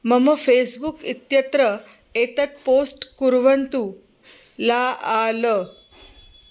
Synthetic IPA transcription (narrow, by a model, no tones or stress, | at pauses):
məməfesbukit̪jət̪ɾəet̪ət̪̚posʈkuɾʋənt̪u | laalə